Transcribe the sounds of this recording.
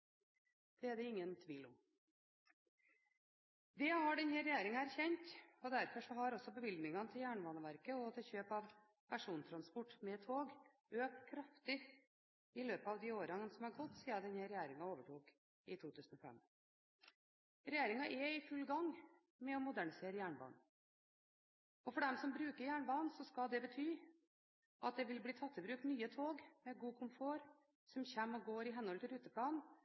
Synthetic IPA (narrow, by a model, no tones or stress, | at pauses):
d̪̥ɛæd̪ɛɪŋːənt̪ʰʋiːlɔ̰m | d̪ɛhɑɖɛnhɛɾɛjæːɾɪŋɑæɾçɛnt̪ɔd̪æɾfɔʂɔɦɑɾɔsːɔbəbɪld̪nɪŋɑnət̪ʰɪljæːɳəʋɑːnəʋæɾkəɔt̪ʰɛçøːpɑʋ | pʰæʂuːnt̪ʰɾɑnspɔʈːmɛt̪ʰoːɡ | ʔøːk̚t̪kʰɾɑft̪ɪ | ɪløːpəɑʋd̪ɪoːɾɑənsɔmæɾɡɔt̪ːsiːɑd̪ɛnheɾɛjæːɾɪŋɑoːʋəʈʰuːk | ɪt̪ʰuːt̪ʰʉːsn̩ɔfɛ̰m | ɾɛjæːɾɪŋɑʔɛɪfʉlːɡɑŋ | mɛɔmʊd̪æɳɪseːɾəjæːɳbɑ̰ːn | ɔfɔɖɛmsɔmbɾʉːkəɾjæːɳbɑːnsɔskɑld̪ɛbət̪ʰyː | ʔɑt̪̚d̪ɛʋɪlbliːt̪ʰɑt̪ʰːəbɾʉːk̚t̪nyːət̪ʰoːɡmɛɡuːkʰʊmfoːɾ | sɔmçæmːɔɡoːɾɪɦɛnɔlt̪ʰɪlɾʉːt̪əpʰlɑːn